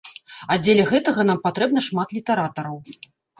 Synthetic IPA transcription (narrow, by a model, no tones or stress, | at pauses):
ɐd͡zʲelʲɐɣɛt̪ɐɣɐn̪ampat̪ɾɛb̚nɐʂmat̪lʲit̪ɐɾat̪ɐɾɐw